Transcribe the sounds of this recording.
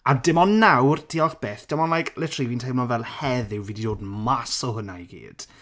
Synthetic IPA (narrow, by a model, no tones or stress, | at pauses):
adɪmɔnːawrdʰiɔχb̥eːθd̥ɪmɔnlajkʰlɛtʰrivintʰejmɔnvɛlˠhɛðɪwviːdidoːdmasɔɦʊnajɡḭːd̥